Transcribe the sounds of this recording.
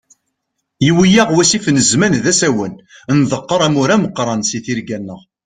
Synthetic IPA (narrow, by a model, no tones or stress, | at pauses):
jiwijæʁwæsifnəzmænðæsæwənnðəqːəɾˤæmuɾæməqːɾˤɑnsiθiɾɡænːəʁ